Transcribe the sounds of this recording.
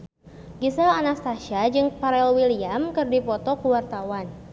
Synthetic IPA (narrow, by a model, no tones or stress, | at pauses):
ɡisalanast̪aʃad͡ʒɨŋpaɾɛlwiliamkɨrdipɔt̪ɔkuwart̪awan